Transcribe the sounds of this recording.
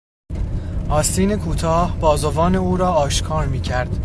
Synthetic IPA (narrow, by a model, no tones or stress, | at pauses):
ʔɒːst̪iːne̞kʰuːt̪ʰɒːhbɒːzovɒːne̞uːɾɒːɒːʃkʰɒːɾmiːcʰæɾd̪̥